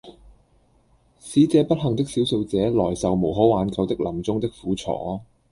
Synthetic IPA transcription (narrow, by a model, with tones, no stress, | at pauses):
siː˨˥t͡sɛː˨˧pɐ˥t̚ɦɐ˨˩ŋt̪ɪ˥k̚siː˨˥wso˧wt͡sɛː˨˥lɔː˨˩jsɐ˨wmo˨˩wɦo˨˥waː˨˧nkɐ˨˧wt̪ɪ˥k̚lʔɐ˨˩mt͡sʊ˥ŋt̪ɪ˥k̚fuː˨˥t͡sʰɔ̰ː˨˥